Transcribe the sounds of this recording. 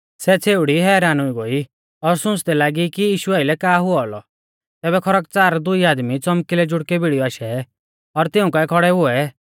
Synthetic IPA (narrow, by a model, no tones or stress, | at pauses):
sɛt͡sʰeːʊɽiɦɛːɾaːnʊiɡoːi | ɔɾsʊ̃t͡sd̪ɛlaːɡikijiːʃuaːɪlɛkaːɦʊɔɔlɔ | t̪ɛːbɛkʰɔɾək̚t͡saːɾd̪ʊiaːd̪mit͡sɔmkilɛd͡ʒʊɽkɛbiɽijɔaːʃɛ | ɔɾt̪ɪũkaɛkʰɔɽɛɦʊɛ